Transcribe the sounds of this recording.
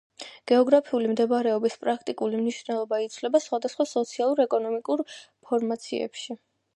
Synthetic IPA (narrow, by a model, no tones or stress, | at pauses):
ɡ̥ɛɔɡɾapʰiulimd̪ɛbaɾɛɔbispʼɾakʰt̪ʼikʼulimniʃvnɛlˠɔbait̪sʰvlɛbasχwad̪asχwasɔt̪sʰialˠuɾɛkʼɔnɔmikʼuɾpʰɔɾmat̪sʰḭɛ̰pʃi